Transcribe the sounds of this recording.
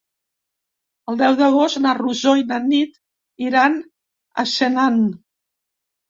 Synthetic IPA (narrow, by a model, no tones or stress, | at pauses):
əlˠd̪ɛwðəɣost̪naruzojnanit̪ | iɾan | a̰ʃenan